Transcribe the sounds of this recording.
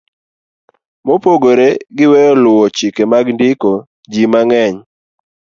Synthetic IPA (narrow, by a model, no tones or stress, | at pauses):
mopoɡoɾeɡɪwɛjɔlʊɔt͡ʃikemaɡndɪko | d͡ʒimaŋɛɲ